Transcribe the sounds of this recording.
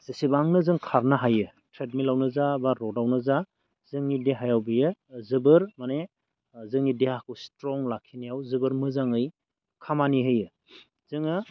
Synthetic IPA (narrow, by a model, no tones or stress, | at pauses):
z̥isibaŋnɯzɯŋkʰaɾnaɦajɯ | tʰɾet̚milawnɯzabaɾɔdawnɯza | z̥ɯŋnideɦajawbijɯzɯbɯɾmane | zɯŋidehakʰɯstɾɔŋlakʰinijawzɯbɯɾmɯzaŋɯj | kʰamaniɦɯjɯ | z̥ɯŋɯ